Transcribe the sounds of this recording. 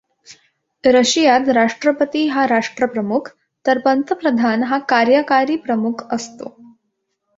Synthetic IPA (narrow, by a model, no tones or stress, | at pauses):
ɾəɕijat̪ɾaʂʈɾəpət̪iɦaɾaʂʈɾəpɾəmukʰ | t̪əɾpənt̪əpɾəd̪ʱanɦakaɾjəkaɾiːpɾəmukʰəst̪o̰